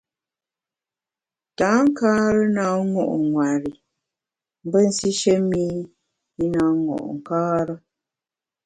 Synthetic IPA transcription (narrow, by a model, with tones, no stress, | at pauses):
ta˨˦ŋ̩˦kaː˦ɾə˦na˨˦ŋɔ̰˨ʔŋwa˨ɾi˨ | m̩˦bə˦n̩˨si˦ʃə˦mi˦ | i˦na˨˦ŋɔ̰˨ʔŋ̩˨kaː˦ɾə˦